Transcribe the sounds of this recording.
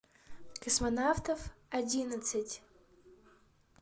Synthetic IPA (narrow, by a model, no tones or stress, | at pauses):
kɐsmɐnawt̪ɔfɐdʲinɐt̪sɨtʲ